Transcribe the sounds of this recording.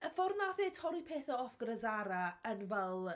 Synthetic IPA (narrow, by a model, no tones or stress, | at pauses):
əfɔrnaθetʰɔɾipʰeːθɔɔfɡ̥ɾəzaɾaənvɛlˠ